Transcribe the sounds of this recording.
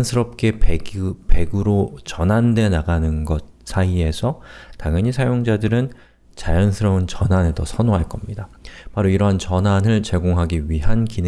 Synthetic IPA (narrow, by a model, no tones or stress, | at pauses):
nsʰɯɾʌp̚k͈e̞ | pe̞ɡɯɾot͡ɕʌnɦande̞naɡanɯnɡʌt̚s͈ʰaie̞sʰʌtaŋjʌɲisʰajoŋd͡ʑadɯɾɯn | t͡ɕajʌnsʰɯɾʌbɯnt͡ɕʌnɦanɯɭtʌsʰʌnoɦaɭk͈ʌmɲidapaɾoiɾʌɦant͡ɕʌnɦanɯɭt͡ɕe̞ɡoŋɦaɡiɥiɦankin